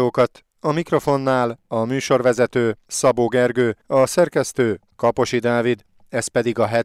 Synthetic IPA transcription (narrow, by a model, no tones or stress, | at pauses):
oːkɒt̪ | ɒmikro̞fo̞nːaːlɒmyːʃo̞rʋɛzɛt̪øːsɒboːɡɛrɡøːɒsɛrkɛst̪øːkɒpo̞ʃid̪aːvid̪ | ɛspɛd̪iɡɒɦɛ